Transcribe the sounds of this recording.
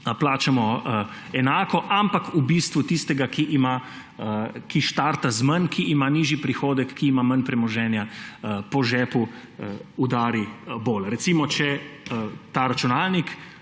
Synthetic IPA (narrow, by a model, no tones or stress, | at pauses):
plaːt͡ʃamɔ | ɛnaːkɔʔampakubiːst̪ʋut̪ist̪ɛɡakiʔima | kiʃt̪aːɾt̪azmɐnkʰiʔimaniːʒipɾixoːd̪ɛkːiːmamɐnpɾɛmɔʒɛːnjapɔʒɛːpu | ud̪aːɾiboːlɾɛtsimɔt͡ʃɛ | t̪aːɾat͡ʃunaːlnik